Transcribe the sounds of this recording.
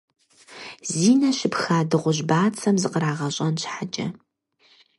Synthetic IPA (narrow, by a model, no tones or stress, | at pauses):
ziːnɐʃɪpxaːdɨʁʷʊʑbaːt͡sʰɐmzɨqəɾaːʁɐɕʼɐnɕħat͡ʃʼɐ̰